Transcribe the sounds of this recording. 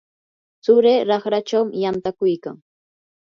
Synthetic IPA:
t͡sʊɾeːɾɑχɾat͡ʃawmɪjant̪akʊjka̰ŋ

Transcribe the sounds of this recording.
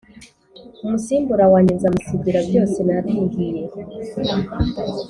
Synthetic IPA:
umusiːmbuɾawaːɲizamusibiɾabjo̞ːsenatiːŋɡije̞

